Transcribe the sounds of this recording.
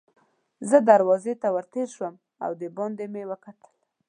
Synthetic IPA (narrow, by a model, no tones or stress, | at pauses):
zəd̪aɾwɑzet̪awəɾt̪eɾʃwəm | a̰wd̪əbɑnd̪emewəkat̪ə̥l